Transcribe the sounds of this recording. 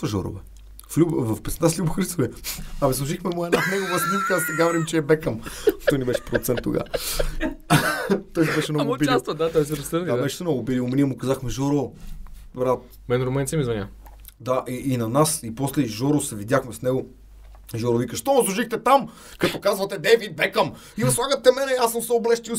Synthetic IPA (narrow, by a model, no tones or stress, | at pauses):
t̪vɐʒɔ̰ɾʊ̰vɛ | flʲuvɐfpɛt̪ɛnaslʲubʊxɾist̪ovɛɐvɛslˠuʒixmɛmuɛnanɛɡovəsmizkazt̪ɛɡavɾimt͡ʃɛːbɛkəmt̪ɔjnɛbɛʃɛ̥pɾot̪sɛnt̪ːo̰ɡa̰ | t̪ɔjnɛbɛʃɛnɔɡʊbilist̪vəd̪at̪ɔjsɛɾɐsəɾabɛʃɛ̥sɛnɔɡʊbiliʊmɛnʲiɛmʊkɐzaxmɛʒɔɾo | vɾat̪ | mɛnɾomɛntsimizvɐnʲa̰ | d̪aʔiʔːnɐnasipɔslɛʒɔɾosɛvid̪ʲjaxmɛsnɛɡo | ʒɔɾovikəʃt̪ɔməslˠuʒixt̪ɛt̪am | kɐt̪ɔkazvɐt̪ɛd̪ɛvid̪̚bɛkəm | iɾɐslˠaɡət̪ːɛmɛnɛasəmsɛoblɛʃt̪il